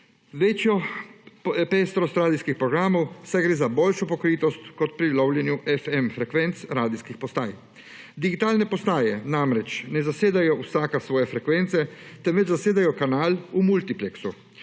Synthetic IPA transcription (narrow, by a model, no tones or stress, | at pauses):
ʋɛt͡ʃjɔ | pest̪ɾɔst̪ɾaːd̪iskixpɾɔɡɾaːmowsajɡɾeːzaboːlʃɔpɔkɾiːt̪ɔst̪kɔt̪̚pɾilɔwljɛnjuʔɛfɛmfɾɛkʋɛnt̪sɾaːd̪iskixpɔst̪aːj | d̪iɡit̪aːlnɛpɔst̪aːjɛnamɾɛt͡ʃnɛzaseːd̪ajɔusaːkasʋɔːjɛfɾɛkʋɛnt̪sɛt̪ɛmʋɛt͡ʃzaseːd̪ajɔkanaːlumult̪iplɛksu